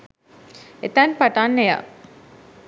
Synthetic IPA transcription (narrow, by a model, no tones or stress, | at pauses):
et̪ænpaʈaːnːeja̰